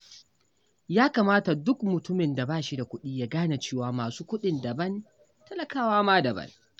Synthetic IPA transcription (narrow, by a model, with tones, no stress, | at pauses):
jaː˦kaː˨maː˦ta˨dʊ˦kmʊ˨tʊ˦mɪ˨nda˨baː˦ʃi˦da˨kʷʊ˦ɗiː˦ja˦ɡaː˦na˨t͡ʃeː˦waː˨maː˨suː˦kʷʊ˦ɗɪ˨nda˨bɐ˦n | tɐ˦lɐ˨kaː˦waː˦maː˦dɐ˨bɐ̰˦n